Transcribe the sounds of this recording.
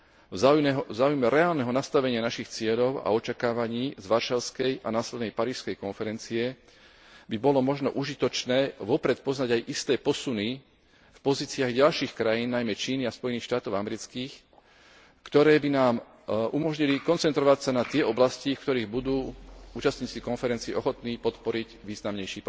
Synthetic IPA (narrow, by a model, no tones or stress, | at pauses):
vajɛɦzaːujmɛɾɛaːlnɛɦɔnast̪aʋɛɲɪanaʃixt͡sɪɛʎɔʊa̰ɔt͡ʃakaːʋaɲiːzʋaɾʃalskɛja̰naːslɛd̪nɛjpaɾiːʃskɛjkɔnfɛɾɛnt͡siɛ | bibɔlɔmɔʒnɔ̰ʔuʒit̪ɔt͡ʃnɛːʋɔpɾɛt̪̚pɔznaɟajʔist̪ɛːpɔsuni | fpɔziːt͡siaɣɟalʃiːxkɾajiːnːajmɛt͡ʃiːniaspɔjɛniːxʃt̪aːt̪ɔʊamɛɾit͡skiːx | kt̪ɔɾɛːbinaːm | ʔumɔʒɲilikɔnt͡sɛnt̪ɾɔʋacsanat̪ɪɛʔɔblascifkt̪ɔɾiːɣbud̪uːuːt͡ʃast̪ɲiːt͡sikɔnfɛɾɛnt͡siɛʔɔxɔt̪niːpɔt̪pɔɾiɟʋiːznamɲɛjʃiːpɔ